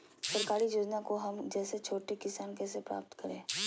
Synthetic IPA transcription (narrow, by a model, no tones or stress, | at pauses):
sɐɾkaːɾijoːd͡ʒnakoɦɐmd͡ʒɛːset͡ʃʰoːʈekɪsaːnkɛːs̬epɾa̰ːp̚t̪kɐɾḛ̃ː